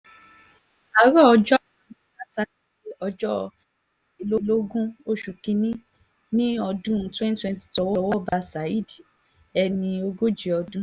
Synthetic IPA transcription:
a˨ɾɔ˦˨ɔ˧d͡ʒɔ̃˦˨˦ba˦sa˨˦i˦˨e˨ɔ˧d͡ʒɔ˦˨ | i˧lo˦lo˦ɡũ˦o˦ʃu˨kĩ˧nĩ˦ | nĩ˦ɔ˧dũ˦˨twɛ̃˦n˦twɛ̃˧nti̥˨tɔ˨˧wɔ˧wɔ˦ba˦sa˨˦i˦di˨ | ɛ˧nĩ˧o˧ɡo˦d͡ʒi˨ɔ˧dũ˦

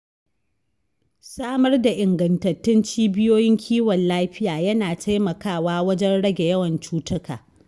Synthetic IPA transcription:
saː˦mɐ˦rda˨ʔɪ˨ŋɡɐ˨ntɐ˨tːʊ˦nt͡ʃiː˦bɪ˦joː˦jɪ˦ŋkʲʰiː˦wɔ˨nlaː˦ɸɪ˦jaː˨jɐ˦naː˨tʰa˦jmɐ˨kaː˦˨waː˦wɐ˦d͡ʒɛ˦nɽɐ˦ɡʲe˨jɐ˦wɐ˨nt͡ʃuː˦tʊ˦kaː˨

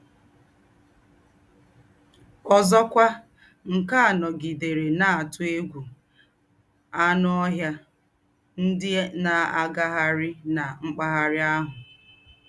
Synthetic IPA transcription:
ɔ˨zɔ˦kʷa˦ | ŋ̩˨ka˦a˨nɔ˨ɡi˨de˨ɾe˨na˦˨a˨tʊ˦e˦ɡʷu˨ | a˦nɔ˦ɔ˦ɦja˦ | n̩˦dɪ˦na˨a˦ɡa˦ɦa˦ɾɪ˦na˨ŋ͡m̩˦k͡pa˦ɦa˦ɾɪ˦a˦ɦʊ˨

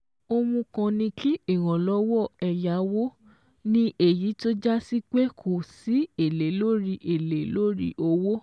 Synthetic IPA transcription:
o˧mũ˧kã˧nĩ˧kʰi˦i˦˨ɾ̃ã˨lɔ˦wɔ˦˨ɛ˨ja˨˦wo˦ | nĩ˦ʔe˨ji˨˦to˦d͡ʒa˦si˦k͡pe˦kʰo˨si˨˦e˨le˨˦lo˦ɾi˦ʔe˨le˨˦lo˦ɾḭ˦ʔo˧wo˦

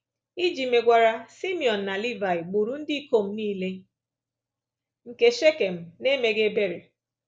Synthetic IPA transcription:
i˦d͡ʒi˨me˨ɡʷa˨ɾa˦si˦mi˨ɔ˨n̩ː˨a˨li˦va˨ɪ˨ɡ͡bu˨ɾu˦n̩˦dɪ˦i˦ko˦m̩˦niː˦le˦ | ŋ̩˨ke˦ʃe˦ke˨m̩˦ne˦me˦ɡe˦be˦ɾe˨

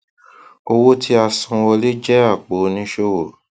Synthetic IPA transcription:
o˧wo˦tʰi˦a˧sũ˧ɔ˧le˦d͡ʒɛ˦a˦˨k͡po˨˦nĩ˦ʃo˦wo˨

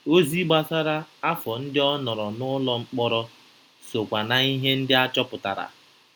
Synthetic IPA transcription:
o˦zi˦ɡ͡ba˦sa˦ɾa˦a˦fɔ˨n̩˦dɪ˦ɔ˦nɔ˨ɾɔ˨nʊ˦lɔ˦ŋ͡m̩˦k͡pɔ˦ɾɔ˦ | so˨kʷa˨na˨i˦ɦe˦n̩˦dɪ˦a˦t͡ʃɔ˦pʊ˨ta̰˨ɾa̰˨

